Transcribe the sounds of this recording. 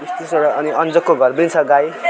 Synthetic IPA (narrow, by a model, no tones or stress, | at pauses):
bist̪iseɽaːniʌnd͡zʌkːoɡʱʌrbint͡sʰʌɡaj